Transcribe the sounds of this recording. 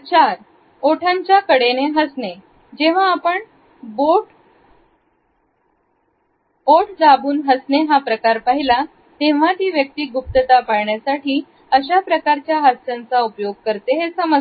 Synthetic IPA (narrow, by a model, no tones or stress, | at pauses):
t͡ɕaɾ | oʈʰaɲt͡ɕjakəɽeneɦəsne | d͡ʑeʋ̤aːpəɳ | boʈ | boʈd͡zabuːnɦəsneɦapɾəkaɾpaɦila | t̪ẽʋ̤at̪iːʋjək̚t̪iːɡup̚t̪ət̪apaɾɳjasaʈiː | əɕapɾəkaɾt͡ɕjaɦast̪ant͡saupjoɡ̚kəɾt̪eɦesəmə